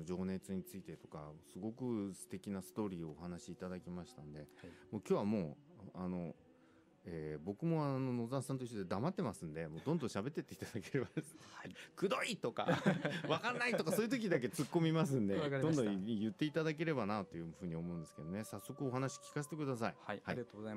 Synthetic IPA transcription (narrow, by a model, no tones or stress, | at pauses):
d͡ʑo̞ːne̞t͡sɨɲ̟it͡sɨit̪e̞t̪o̞ka̰sɨɡo̞kɯ̟sɨ̥t̪e̞kʲinasɨ̥t̪o̞ːɾʲiːo̞ːhanaɕiːt̪ad̪akʲimaɕi̥t̪and̪e̞mo̞ːkʲo̞ːβamo̞ːano̞ | eːbo̞kɯ̟mo̞ano̞no̞zãsãnt̪oçi̥tod̪e̞d̪amat̪ːe̞masɨ̃nd̪e̞mo̞ːd̪õ̞nd̪õɕabe̞t̪ːe̞t̪ːe̞it̪ad̪ake̞ɾebad̪esɨ̥kɯ̟d̪o̞it̪o̞ka̰βakanːait̪o̞kasojɯ̟t̪o̞kʲid̪ak̬et͡sɨkːo̞mʲimas̬ɨ̃nd̪e̞d̪õnd̪õjɯ̟t̪ːe̞it̪ad̪ak̬e̞ɾe̞banat̪ːo̞jɯ̟ɸɯ̟ːɲ̟io̞mo̞ɯ̟̃nd̪e̞sɨ̥ked̪o̞ne̞sasːo̞kɯ̟o̞ɦanaɕi̥kʲi̥kas̬e̥t̪e̞kɯ̟d̪as̬aihahai